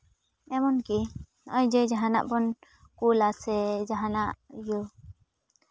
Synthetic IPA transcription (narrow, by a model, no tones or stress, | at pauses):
ɛmɔnki | ɔjd͡ʒɛd͡ʒaɦana̰ʔbɔn | kulasɛd͡ʒaɦanaʔjɔ